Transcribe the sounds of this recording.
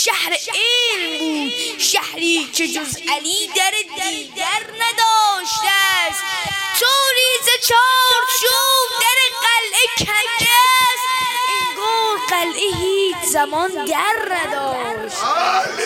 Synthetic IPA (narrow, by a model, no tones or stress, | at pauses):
ʃæhɾeeːɾmbuːd̪̚ʃæhɾiːkʰed͡ʒozæliːd̪æɾed̪iːæɾnæd̪ɒːʃt̪æst̪t̪ʰoːɾiːzet͡ʃʰɒːɾt͡ʃuːbd̪æɾeqælʔekʰædæst̪ɡoːɾqælʔeɦiːt͡ʃʰzæmɒnd̪æɾnæd̪ɒː | ʃt̪